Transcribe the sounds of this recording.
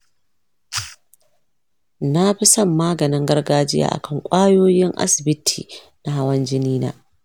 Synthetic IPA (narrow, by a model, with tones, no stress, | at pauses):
na˦ɸɪ˦sɐ˦˨mːaː˦ɡɐ˨nɪ˦ŋɡɐ˦rɡaː˦d͡ʒɪ˦ja̰ː˨ʔa̰˨kɐ˦˨ŋkʷʼaː˦joː˦jɪ˦ŋʔa̰˦sɪ˨bɪ˦tʰḭː˨ | na˦ɦa˦wɐ˦nd͡ʒɪ˦niː˦na̰ː˦